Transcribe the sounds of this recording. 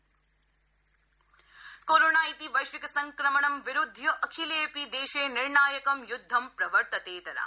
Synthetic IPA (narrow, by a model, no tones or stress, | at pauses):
koːɾoːnaːit̪iːʋɐjʃʋɪkɐsɐŋkɾɐmɐɳɐmʋɪɾud̪ʱjɐʔɐkʰileːpid̪eːʃeːnɪɾɳaːjɐkɐmjʊd̪ʱːɐmpɾɐʋəɾt̪ɐt̪eːt̪ɐɾa̰